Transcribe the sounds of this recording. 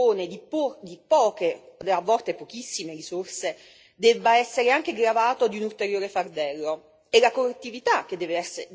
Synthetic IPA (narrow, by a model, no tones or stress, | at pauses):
oːned̪ipd̪ipɔːkeod̪avːɔlt̪epok̟isːimeɾisorse | d̪ɛbːaɛsːeɾeaŋk̟eɡɾavaːt̪od̪iunult̪eɾjoːɾefard̪ɛlːo | ɛlakorːet̪ːivit̪ak̟ːed̪ːɛːveɛsːe